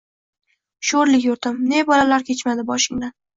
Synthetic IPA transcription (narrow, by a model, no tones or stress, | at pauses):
ʃoɾlɪkʲjʊɾt̪ʰɪmne̞bɒlalaɾkʲʰet͡ʃmad̪ɪbɒʃɪŋnɪ